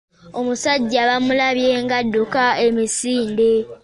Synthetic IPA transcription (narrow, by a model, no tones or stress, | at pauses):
o̞musaɟːaβamulaβje̞ːŋɡadːukae̞misiːnde̞